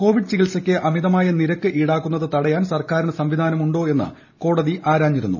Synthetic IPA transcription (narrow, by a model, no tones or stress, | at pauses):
ko̞ːʋiɖɨt͡ɕiɣilsɐkʲːɨʔɐmiðɐmaːjɐniɾɐkːɨʔiːɽaːkːunːɐðɨt̪ɐɽɐjaːnsɐrkaːɾinɨsɐmʋid̪ʱaːnɐmuɳɖo̞ːe̞nːɨ̰ | ko̞ːɽɐðiʔaːɾaːmːiɾunːṵ